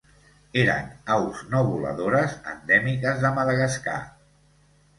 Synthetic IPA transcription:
eɾə̰nawznoβulə̰ðoɾəzə̰nd̪ɛmikəzðəməðəɣəska̰

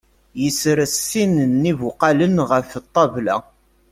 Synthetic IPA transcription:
jəsɾəsːinnːivuqɑlənʁəft̪ˤːɑvlæ̰

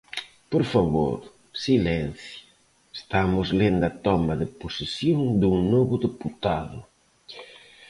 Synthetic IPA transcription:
poɾfaβo̰ɾ | silɛnθjʊ | est̪amʊzlend̪ɐt̪ɔmaðɪposisjoŋd̪uŋnoβʊðeput̪aðʊ

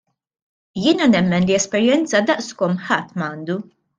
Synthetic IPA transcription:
jɪːnɐnɛmːɛnliɛspɛɾjɛnt͡sɐd̪ɐʔskɔmħɐt̪ːmɐːnd̪u

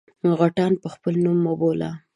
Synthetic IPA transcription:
ɣaʈɑnpəxpəlnumːobola̰

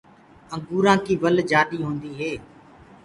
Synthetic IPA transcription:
ə̃ŋɡuːɾãːkiːʋəld͡ʒaːɗiːɦõːnd̪iːɦeː

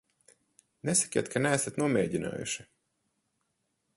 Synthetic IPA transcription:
nɛsḁkʲḭɛt̪̚kʰanæːsat̪nuɔmɛːɟina̰ːjṵʃi

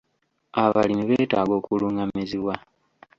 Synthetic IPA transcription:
aβalimiβeːtaːɡo̞ːkuluːŋɡamiziwa

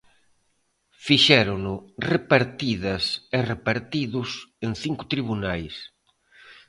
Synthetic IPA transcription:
fiʃɛɾʊnʊrepaɾt̪iðɐserepaɾt̪iðʊsenθiŋkʊ̥t̪ɾiβunajs

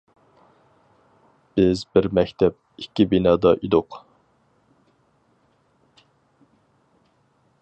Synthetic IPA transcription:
b̥ɪzbɪɾmɛkʲt̪ʰɛp̚ikʲːibinɑːd̪ɑʔid̪ʊq

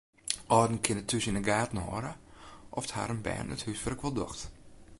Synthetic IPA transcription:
ʔɔdn̩kʰɪnətʰːysinəɡaːtn̩hɔ̰ɾəʔɔftha̰ɾənbɛ̰ːnə̰thysfərəkʋɔlˠdɔ̰xt

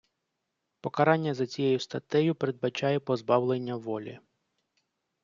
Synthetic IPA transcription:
pɔkɐɾɑnʲːɐzɐt͡sʲijɛjʊst̪ɐt̪ɛjʊpeɾe̞d̪̚bɐt͡ʃɑjɛpɔzbɑwlˠenʲːɐʋɔlʲḭ

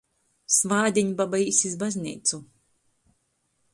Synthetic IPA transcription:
svaːd̪ʲiɲbabaisizbazʲnʲḭːt̪su

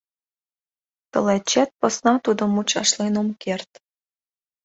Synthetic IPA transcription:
t̪ɤ̰̆læt͡ɕːæt̪̚pɤ̆snɑt̪ud̪ɤ̆mut͡ɕɑ̰ʃlˠenomkert̪

